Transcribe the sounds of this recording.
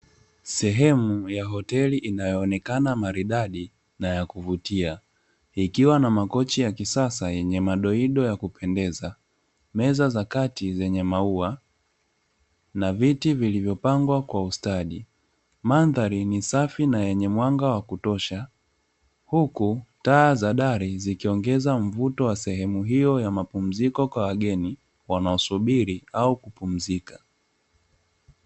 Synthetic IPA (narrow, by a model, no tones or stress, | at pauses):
sɛɦɛmujaɦɔtɛliʔinajɔːnɛkanamaɾiɗaɗi | najakuvutia | ikiwanamakɔt͡ʃijakisasajɛɲɛmaɗɔiɗɔjakupʰɛndɛza | mɛzazakatizɛɲɛmaua | navitivilivjɔpaŋɡwakwaustaɗi | manðaɾinisafinajɛɲɛmwaŋɡawakutɔʃa | hukutaːzaɗaɾizikiɔŋɡɛzaɱ̩vutɔwasɛhɛmuɦijɔjamapum̩zikɔkwawaɠɛni | wanaɔsuɓiɾiaukupum̩zikḁ